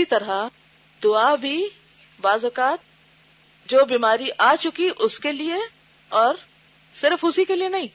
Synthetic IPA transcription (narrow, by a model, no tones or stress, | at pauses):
it̪ɐɾa | d̪ʊabʱi | baːzɔkaːt̪̚ | d͡ʒoːbiːmaːɾiʔaːt͡ʃʊkiʔʊskelie | ɔːɾ | sɪɾfʊsikelienɐɦĩː